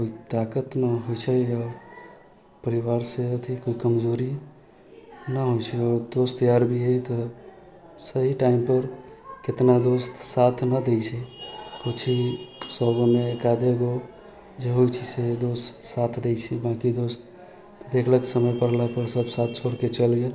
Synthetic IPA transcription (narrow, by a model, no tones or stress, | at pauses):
koit̪akət̪nəɦojt͡ʃʰɛɔːɾ | pəɾiʋaɾseət̪ʰikoikəmd͡ʒoɾi | nəɦojt͡ʃʰɛɔɾd̪ost̪jaɾbʱiɦəjt̪ɔ | səɦiʈaimpəɾ | ket̪nad̪ost̪sat̪ʰnəd̪ejt͡ʃʰɛkut͡ʃʰisɔɡomeːkad̪eɡo | d͡ʒeɦojt͡ʃʰised̪ost̪sat̪ʰd̪ejt͡ʃʰɛbãkid̪ost̪ | d̪ekʰləksəməjpəɽ̤lapəɾsəbsat̪ʰsʰoɾket͡ʃəlɡe